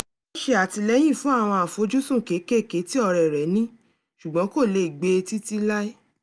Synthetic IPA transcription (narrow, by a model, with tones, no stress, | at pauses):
o˦ʃe˧˦a˨ti˧lɛ˨˦j̃ĩ˦˨fũ˦a˦˨w̃ɔ̃˧a˨fo˨˦d͡ʒu˦sũ˦˨ke˨˦ke˦˨ke˨˦ti˦ɔ˦˧ɾɛ˨ɾɛ˨˦nĩ˦ | ʃu˨ɡ͡bɔ̃˨˦ko˦˨le˧i˨ɡ͡be˧ti˦ti˦la˦i˦